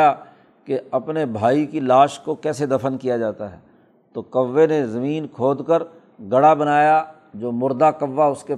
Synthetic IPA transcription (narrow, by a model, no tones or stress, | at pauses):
a | keɐpnebʱaːikilaːʃkokɛːsed̪ɐfənkijad͡ʒaːt̪aɦɛ̰ː | t̪oːkɐʋːenezɐmiːnkʰoːd̪kəɾ | ɡɐɽabɐnaːja | d͡ʒoːmʊɾd̪akɐʋːaʊske